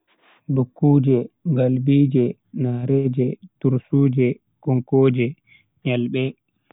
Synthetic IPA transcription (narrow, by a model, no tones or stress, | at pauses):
dukːuːd͡ʒɛɡalbiːd͡ʒɛ | naɾɛːd͡ʒɛtuɾsuːd͡ʒɛ | kɔŋkoːd͡ʒɛ | ɲalɓɛ